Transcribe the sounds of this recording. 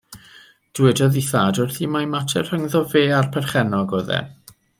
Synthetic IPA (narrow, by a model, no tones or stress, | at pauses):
d̥wɛdɔðiθadʊrθimajmatʰɛrhəŋðɔveːarpʰɛrχɛnɔɡɔðɛ̰